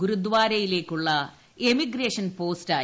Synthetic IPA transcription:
ɡuɾud̪ʋaːɾɐjile̞ːkʲːuɭːɐ | emiɡreːʂɐnpo̞ːstaː

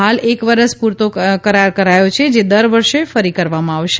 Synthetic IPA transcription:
ɦalekʋəɾəspuɾt̪okəɾaɾkəɾajot͡ʃʰed͡ʒed̪əɾʋəɾʃefəɾikəɾʋamãaʋʃe

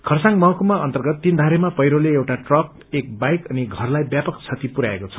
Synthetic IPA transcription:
kʰʌrsaŋmʌɦkumaʌ̰nt̪ʌrɡʌt̪ːind̪ʱaɾemapʌjɾoleewʈaʈrʌp̚ | ek̚bajkʌniɡʱʌrlajbjapʌkt͡sʰʌt̪ipuɾaekot͡sʰʌ̥

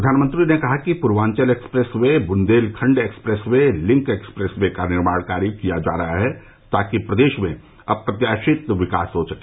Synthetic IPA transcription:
ɾɐd̪ʱaːnmə̃nt̪ɾinekɐɦakipʊɾʋãːɲt͡ʃəleːkspɾeswebʊnd̪eːlkʰə̃ɳɖeːkspɾeswẽlɪ̃ŋkeːkspɾɛsʋekanɪɾmaːɽ̃kaːɾikijad͡ʒa̰ːɾɐɦaɦɛ | t̪aːkipɾɐd̪eːʃmẽ | ɐpɾɐt̪jaːʃɪt̪ʋɪka̰ːsɦosɐke̥

